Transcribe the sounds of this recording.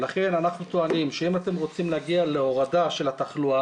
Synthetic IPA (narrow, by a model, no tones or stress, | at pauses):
laχe̞nanaχnut̪oanimʃeimat̪e̞mʁo̞t͡simleaɡiale̞o̞ʁadaʃe̞lat̪aχlua